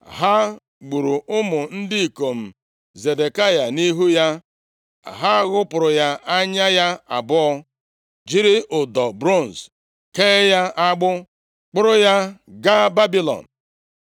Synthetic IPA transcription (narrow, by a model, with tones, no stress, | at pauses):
ɦa˦ | ɡ͡bu˨ɾu˨ʊ˦mʊ˨n̩˦dɪ˦i˨ko˨m̩˨ | ze˨de˨ka˦ja˨ni˦ɦu˦ja˦˨ | ɦa˦ɣʊ˦pʊ˨ɾʊ˨ja˦ʔa˦ɲa˦ja˦a̰˨bʊ˦ɔ˦ | d͡ʒi˦ɾɪ˦ʔʊ˨dɔ˨bɾo˦˨n̩˨s | keː˦ja˦ʔa˦ɡ͡bʊ˦ | k͡pʊ˦ɾʊ˦ja˦ɡa˦ba˦bi˦lɔ̰˨n̩˨